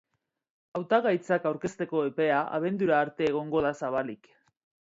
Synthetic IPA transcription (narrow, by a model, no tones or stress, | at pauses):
awt̪aɣajt͡sakawɾke̞st̪e̞ko̞epe̞aʔa̰β̞e̞nd̪uɾaːɾt̪e̞ːɣ̞o̞ŋɡo̞ð̞asaβalik